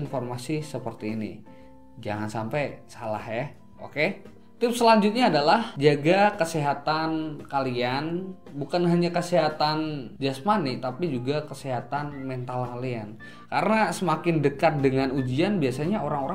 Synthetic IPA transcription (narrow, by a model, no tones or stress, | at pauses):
informasisəpərt̪iːnḭ | d͡ʒa̰ŋansampajsala̰hja | o̰ke | t̪ɪp̚səlaɲd͡ʒʊt̪̚ɲaːdalahd͡ʒaɡakəseɦat̪ankalian | bukanɦaɲakəseɦat̪and͡ʒasmanɪt̪apid͡ʒuɡakəseɦat̪anmɛnt̪alkalian | kaɾənasəmakɪndəkat̪̚dəŋanud͡ʒianbiasaɲaoɾaŋoɾa